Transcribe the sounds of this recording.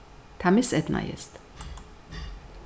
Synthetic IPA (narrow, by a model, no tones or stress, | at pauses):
t̪ʰamisɛt̪na̰jɛ̰st̪